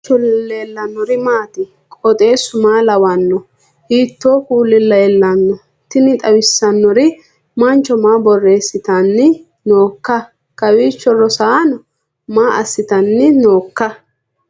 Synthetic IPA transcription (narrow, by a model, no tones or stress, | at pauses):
t͡ʃɔleːlːɐnːɔɾɪmaːt̪ɪ | kʼɔt̪ʼe̞ːsʊmaːlɐwɐnːɔ | hiːt̪ːoːkuːlːɪlːɐɛlːɐnːɔ | t̪ɪnɪt̪ʼɐwɪsːɐnːɔɾɪ | mɐnt͡ʃːɔmaːbɔrːe̞ːsːɪt̪ɐnːɪ | noːkːɐ | kɐwiːt͡ʃːɔrɔsaːnɔ | maːʔɐ̰sːɪt̪ɐnːɪno̞ːkːɐ